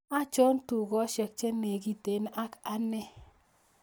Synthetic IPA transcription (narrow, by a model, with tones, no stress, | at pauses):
a˦t͡ʃɔ˦ntu˨ɡɔ˦ʃɛ˨k̚t͡ʃe˦ne˨ɡi˨te˨˦na˦ka˦nɛ˦